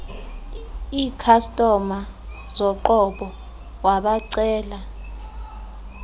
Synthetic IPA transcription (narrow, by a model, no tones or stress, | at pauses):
iːkʰastʼɔma | zɔǃɔɓɔ | waɓaǀɛːla